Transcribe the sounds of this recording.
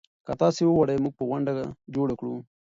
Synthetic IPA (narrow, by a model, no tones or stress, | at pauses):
kat̪ɑːsewowaɽajmuɡ̚pəɣwaɳɖaka̰d͡ʒoɽakɽu